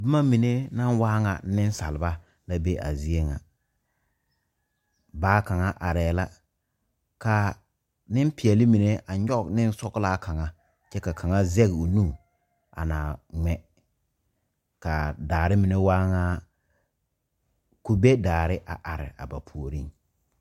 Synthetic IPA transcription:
bɪ˦ma˦mi˨ne˦na˦nwaː˦ŋa̰˨˦nɪ˦n˦sa̰˨lɪ˨ba˦ | la˦be˦ʔa̰˨zi˦e˦ŋa̰˨ | baː˨˦ka˨ŋa˦ʔa˨ɾɛː˨la˦ | ka˨ | nɪ˦n˦pɪ˨ɛ˨lɪ˦mi˨ne˦ʔa˨ɲɔ˦nɪ˦n˦sɔ˦kla˦kʰa˨ŋa˨ | t͡ʃɛ˦ka˨kʰa˨ŋa˦zɛ˦ɣo˨nu˦ | a̰˨naː˨ŋɛ˨ | ka˨daː˨ɾɪ˦mi˨ne˦waː˦ŋa˦ | ku˨be˦daː˨ɾɪ˦ʔa̰˨ʔa˨ɾɪ̰˨a̰˨ba˨pʰu˨o˨ɾi˦ŋ

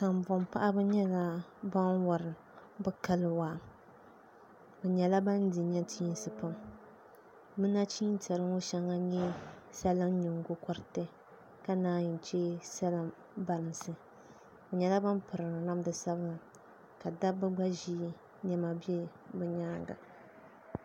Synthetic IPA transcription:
sa˨mvʊ˨mpa˦ʔa˦bɨ˦ɲɛ˦la˦ba˦nwa˨ɾɨ˨ | bɨ˦ka˦lɨ˨˦waː˨ | bɛ˨ɲɛ˨la˦ba˦n˦di˨ɲɛ˦tʰiː˦n˦sɨ˨pa˦m | mɨ˦na˦t͡ʃiː˦n˦tɛ˨ɾɨ˦ŋo˦ʃɛ˦ŋa˦ɲɛ˦sa˦lɨ˦m˦ɲʊ˨ŋ˦ɡʊ˦kɔ˦ɾtɨ˦ | ka˦naː˦ɲɪ˨n˨t͡ʃɛ˦sa˦lɨ˦m | ba˨ɾɨ˨nsɨ˨ | bɛ˨ɲɛ˨la˦ba˦mpɨ˨ɾɨ˨na˦mdɨ˨sa˦bɨ˦˨ | ka˨da˦bɨ˦ɡ͡ba˦ʒi˦ | nɛ˨ma˨bɛ˦ | bɛ˨ɲaː˦ɡa̰˨

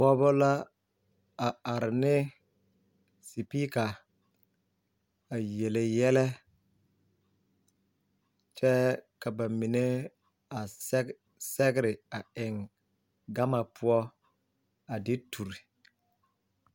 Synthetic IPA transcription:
bɔ˦bɔ˦la˦ | a˨a˨ɾɪ˨nɪ˦ | si˨pi˦ka˨ | a˨je˨le˨jɛ˦lɛ˦ | t͡ʃɛ˦ka˨ba˨mi˨ne˦ | a˨˦ | sɛ˦ɡɪ˦ɾɪ˨a˨ɪ˨ŋ | ɡa˦ma˨pʰʊ˦ɔ˦ | a˨dɪ˦tʰu˨ɾi˨

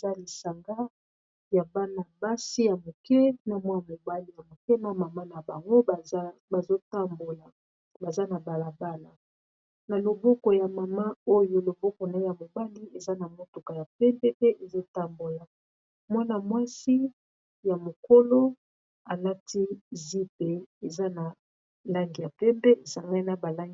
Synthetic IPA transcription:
e˨za˦li˨sa˨ŋɡa˦ | ja˨ba˦na˨ba˦si˦ja˨mo˨kɛ˦na˨mwa˦ja˨mo˨ba˦li˦ja˨mo˨kɛ˦na˦˨ma˨ma˦na˨ba˨ŋɡo˦˨˦ba˨zo˦ta˦mbo˨la˨ | ba˨za˦na˨ba˨la˨ba˦na˨ | na˨lo˨bo˦ko˨ja˨ma˨ma˦o˦jo˦lo˨bo˦ko˨na˨˦ja˨mo˨ba˦li˦e˨za˦na˨mo˦to˨ka˨ja˨pɛ˦mpɛ˦pe˦ʔe˨zo˦ta˦mbo˨la˨ | mwa˦na˨mwa˦si˦ | ja˨mo˨ko˦lo˦ | a˨la˦ti˦zi˦p̚e˨e˨za˦na˨ | la˦ŋɡi˨ja˨pɛ˦mpe˦e˨sa˨ŋɡa˦i˦na˦ba˨la˦ŋɡi˦

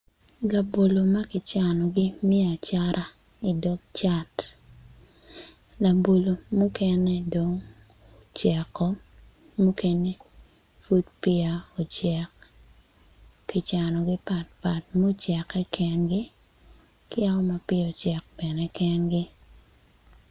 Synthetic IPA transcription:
la˨bo˨lo˨ma˦kɪ˨t͡ʃa˨nɔ˨ɡɪ˦m˦e˦a˨t͡ʃa˦ɾʔa˦ | i˨dɔ˦ɡ̚t͡ʃa˦t | la˨bo˨lo˨mu˦kɛ˦nɛ˦do˨ŋ | o˨t͡ʃɛ˨kːɔ˦ | mu˦ke˦ne˦ | fu˦d̚pɪ˦a˨ɔ˨t͡ʃɛ˨k | kɪ˨t͡ʃa˨nɔ˨ɡɪ˦pa˨t̚pa˨t̚mo˦t͡ʃɛ˨kɛ˦kɛ˦nɡɪ˦ | kɪ˦a˦ɔ˦ma˨pɪ˦ɔ˨t͡ʃɛ˨k̚b̥ɛ˨nɛ˦kɛ˦nɡɪ˦

